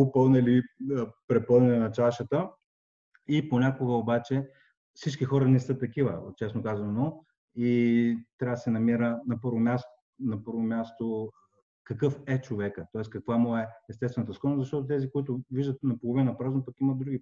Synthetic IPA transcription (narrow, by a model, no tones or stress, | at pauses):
opəlˠnɛlipɾɛpɤlˠnɛnʲinɐt͡ʃaʃət̪ə | iponʲakoɡəobat͡ʃɛ | fsit͡ʃkixɔɾənɛsɤt̪ːɐkivə̰t͡ʃɛsnokazvɐnno | it̪ɾʲavəd̪əsɛnɐmiɾənɐpɤɾvomʲjast̪ | nɐpɤɾvomʲast̪o | kɐkɤfɛt͡ʃovɛkət̪ɔɛskɐkvamɔɛɛst̪ɛst̪vɛnət̪əskɔnəzɐʃt̪ɔt̪ot̪ɛzikoit̪ʊviʒd̪ət̪nɐpolˠovinnɐpɾaznopəkimɐd̪d̪ɾuɡʲi